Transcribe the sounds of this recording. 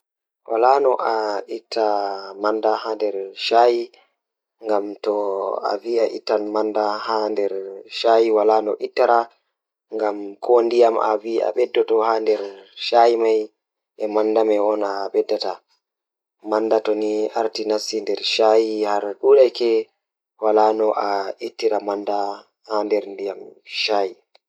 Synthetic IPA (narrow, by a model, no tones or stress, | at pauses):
wa̰lanɔʔaitʰːamandahandɛɾʃaji | ŋɡamtɔa̰viaʔḭtːanmandahandɛɾʃaːjiwalanɔ̰ʔitːaɾa | ŋɡamkʰondijama̰via̰ɓɛdːɔtɔhandɛɾʃajimaj | ʔɛmandamɛwɔnaɓɛdːata | mandatɔniaɾtinasːindɛɾʃajihaɾɗuɗajkɛ | walanɔʔaitːiɾamanda | handɛɾndijamʃaji